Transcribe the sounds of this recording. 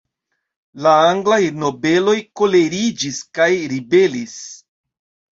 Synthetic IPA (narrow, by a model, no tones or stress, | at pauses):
laaŋɡlaiɾno̞be̞lo̞jko̞le̞ɾid͡ʒiskajɾibe̞lis